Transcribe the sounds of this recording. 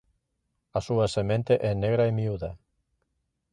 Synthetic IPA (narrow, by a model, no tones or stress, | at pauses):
asuasemẽnt̪eʔɛneɣɾaemiuða